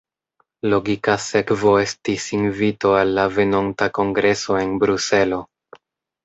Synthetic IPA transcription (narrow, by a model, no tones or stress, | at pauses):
lo̞ɡikase̞kvo̞e̞stisinvito̞alːave̞no̞ntako̞ŋɡɾe̞so̞e̞nbɾuse̞lo̞